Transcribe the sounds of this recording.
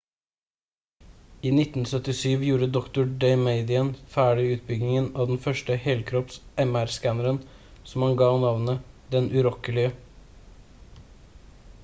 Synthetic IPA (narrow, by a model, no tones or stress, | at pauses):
iːnɪt̪n̩sœt̪ɪsyːʋjuːɾəd̪ɔkt̪ʊɖeɪmeɪd̪ɪənfæːɖɪʉːt̪̚bʏɡnɪŋənɑːd̪ɛn̩fœʂʈəhɛːlkʰɾɔpsɛmæɾskænəɾən | sɔmhɑnɡɑːnɑʋnəd̪ɛnʔʉɾɔkəlɪə